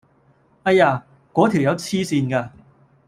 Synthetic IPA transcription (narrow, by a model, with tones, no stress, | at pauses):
ɐ˥jaː˧ | kɔː˨˥t̪ʰi˨˩wjɐ˨˧wt͡sʰiː˥siː˧nkaː˧